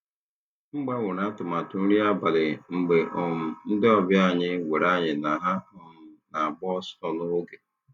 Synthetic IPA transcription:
ŋ͡m̩˦ɡ͡be˦ŋʊ˨na˦tʊ˨ma˨tʊ˨n̩˦ɾi˦a˦ba˨lɪ˨ŋ͡m̩˨ɡ͡be˨ʔɔ˨m̩˨n̩˦dɪ˦ɔ˦bja˦˨ɲɪ˦we˨ɾa˦˨ɲɪ˨na˨ɦa˦ɦʊ˦m̩˦na˨a˨bɔ˦sɔ˦lʊ˦ɡe˨

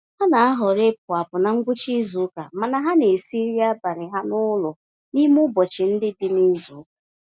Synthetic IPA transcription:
ha˦na˨a˦ɦɔ˨ɾe˦p̚ʊ˨a˨pʊ˨na˨ŋ̩˦ɡʷʊ˦t͡ʃi˦zu˨˦ka̰˨ma˨na˨ɦa˦ne˨si˦ɾi˦a˦ba˨ɾɪ˨ɦa˦nʊ˦lʊ˨ | ni˦mʊ˦bɔ˨t͡ʃɪ˨n̩˦dɪ˦di˦mi˦zu˨˦˨

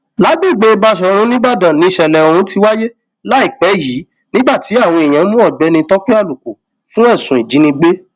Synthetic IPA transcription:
la˨˦ɡ͡bi˦˨ɡ͡be˦˧ba˧ʃ̬ɔ˧ɾ̃ũ˦nĩ˦ba˦˨dã˨nĩ˨˧˦ʃɛ˧lɛ˨o˧ɾũ˧˦ti˧wa˦je˦ | la˦i˦˨k͡pɛ˨˦ji˨˦ | nĩ˦ba˦˨ti˨˦a˦˨w̃ɔ̃˧e˨j̃ã˨˦mũ˦ɔ˦˨ɡ͡bɛ˨˦nĩ˧tɔ˦k͡pi˦a˦˨lu˨ku˨ | fũ˦ɛ˦˨sũ˨i˨d͡ʒĩ˨˦nĩ˧ɡ͡be˦

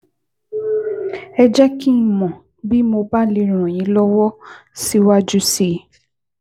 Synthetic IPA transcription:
ɛ˧d͡ʒɛ˦kĩ˦˨mɔ̃˨ | bi˦mo˧ba˦li˨˧˦ɾ̃ũ˨ɔ̃˨j̃ĩ˨˧˦lɔ˦wɔ˦si˦wa˦d͡ʒu˦si˦˨

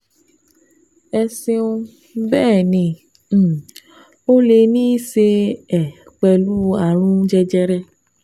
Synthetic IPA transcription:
ɛ˧sĩ˧õ˧ | bɛː˦˨nĩ˧˨˦ | o˦le˧nĩ˦i˦se˧ɛ˨ | k͡pɛ˧lu˦a˦˨ɾ̃ũ˦d͡ʒɛ˧d͡ʒɛ˧ɾɛ˧

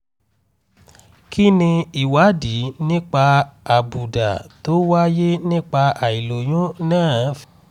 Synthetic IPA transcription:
kʰi˦nĩ˧i˨wa˨˦di˨˦nĩ˦k͡pa˧a˨bu˨da̰˨to˦wa˦je˦nĩ˦k͡pa˧a˨i˨lo˨j̃ũ˦nãː˦˨˦f

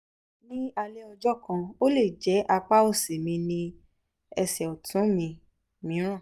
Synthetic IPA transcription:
nĩ˦a˧le˦ɔ˧d͡ʒɔ˦kã˧o˦le˦˨d͡ʒɛ˨˦ʔa˧k͡pa˦o˦˨se˨mĩ˧nĩ˧ | ɛ˧sɛ˨o˨tʰũ˨˦mĩ˧ | mĩ˨˦ɾ̃ã˦˨

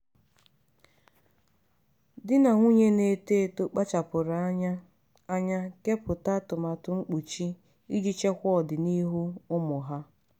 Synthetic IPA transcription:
dɪ˦na˨ŋʷu˦ɲe˦ne˦te˦˨to˦k͡pa˦t͡ʃa˨pʊ˨ɾa˨˦ | a˦ɲa˦ke˦pʊ˨ta˦tʊ˨ma˨tʊ˨ŋ͡m̩˦k͡pu˨t͡ʃi˦ | i˦d͡ʒi˦t͡ʃe˦kʷɔ˦˨dɪ˨ni˦ɦu˦ʊ˦mʊ˨ɦa˦

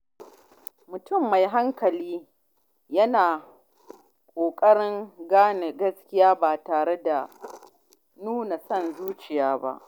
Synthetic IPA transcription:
mʊ˨tʊ˦˨mːa˨jɦa˦ŋkɐ˨liː˦ | jɐ˦naː˨ | kʷʼoː˨kʼɐ˦ɽɪ˦ŋɡaː˦ne˨ɡɐ˦skʲɪ˦jaː˦baː˨taː˨ɽe˦da˨ | nuː˦na˨sɐ˦˨nzuː˦t͡ʃɪ˨jaː˦ba̰˦ʔ

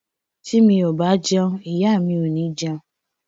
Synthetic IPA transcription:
t͡ʃi˦mi˦o˨ba˨˦d͡ʒa˦i˨ja˦˨mi˦o˨ni˦d͡ʒa˦

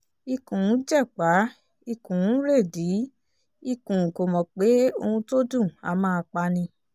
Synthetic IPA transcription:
i˧kũ˨˦d͡ʒɛ˦˨k͡pa˨˦ | i˧kũ˨˦ɾe˦˨di˨˦ | i˧kũ˨ko˨mɔ̃˨k͡pe˨˦o˧hũ˧to˦dũ˦˨a̰˨˧˨mãː˦˧k͡pa˧nĩ˧

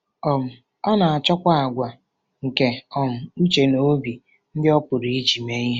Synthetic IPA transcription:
ɔ˨m̩˨ | ɔ˦na˨a˨t͡ʃɔ˦kʷa˦a˨ɡʷa˨ | ŋ̩˨ke˨ɔ˨m̩˨u˦t͡ʃe˨no˨˦bi˨ | n̩˦dɪ˦ɔ˦pʊ˨ɾi˨i˦d͡ʒi˨me˦ji˦

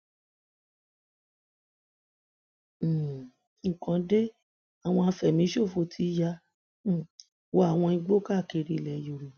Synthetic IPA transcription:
ŋ̩˦˨kã˧de˦ | a˨w̃ɔ̃˧a˧fɛ˨mĩ˨˧˦ʃo˦˨fo˧˨tʰi˧˦ja˧˦˨ | wo˧˦a˦˨w̃ɔ̃˧i˧ɡ͡bo˦ka˦˨ke˧ɾi˧˨lɛ˨jo˨ɾi˨

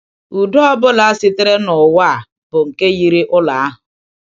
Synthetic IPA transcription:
u˨dɔ˦ɔ˦bʊ˦la˨a˦sɪ˦te˦ɾe˦nʊ˨wa˦a˨ | b̥ʊ˨ŋ̩˨ke˦ɣi˦ɾi˦ʔʊ˦la˨a˦ɦʊ˨

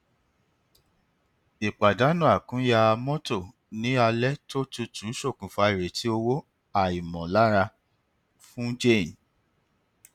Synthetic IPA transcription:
i˨k͡pa˨da˨˦nũ˦a˨kũ˨˦ja˧a˧mɔ̃˦to˦˨ | nĩ˨˦a˧lɛ˦to˦tu˧˦tũ˨˦ʃo˦˨kũ˨fa˧i˨ɾe˨tʰi˨˦o˧wo˦ | a˦˨i˨mɔ̃˨la˦ɾa˧ | fũ˦d͡ʒẽ˦˨n˨

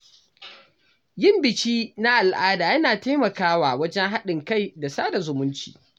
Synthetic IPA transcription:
jɪ˦˨mbɪ˨t͡ʃiː˦na˦ʔa˨lʔaː˦daː˨jɐ˦naː˨ta˦mɐ˨kaː˦waː˨wɐ˦d͡ʒɛ˦ŋɦa˦ɗɪ˨ŋka˦˨jda˨saː˦da˨zʊ˨mʊ˦nt͡ʃḭː˨

